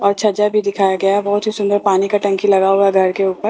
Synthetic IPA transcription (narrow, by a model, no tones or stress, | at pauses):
ɔːɾt͡ʃʰɐd͡ʒabʱid̪ɪkʰaːjaɡɐjabɔɦʊt̪ɦisʊ̃nd̪əɾpaːnikaʈɐ̃ŋkilɐɡaɦuaɡʱɐɾkeuːpəɾ